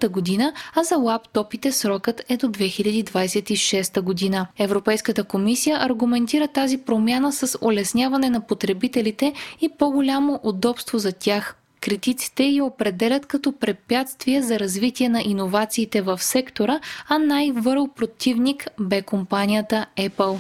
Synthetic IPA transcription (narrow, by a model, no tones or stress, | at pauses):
t̪əɡod̪inəɐzɐlˠapt̪ɔpit̪ɛsɾɔkət̪ɛd̪od̪vɛxilʲɐd̪id̪vajsɛt̪iʃɛst̪əɡod̪inəɛvɾopɛjskət̪əkomisijəʔɐɾɡumɛnt̪iɾət̪azipɾomʲjanəsɐso̰lɛsnʲavɐnɛnɐpot̪ɾɛbit̪ɛlit̪ɛipoɡolʲamoʔud̪ɔpst̪vozɐt̪ʲax | kɾit̪it̪si̥t̪ɛjiopɾɛd̪ɛlʲɐt̪kɐt̪ɔpɾɛpʲjat̪st̪viɛzɐɾɐzvit̪iɛnɐʔinovat̪siːt̪ɛvɐfsɛkt̪oɾəɐnajvɤɾlˠpɾot̪ivnikbɛkompanʲijət̪əɛpəlˠ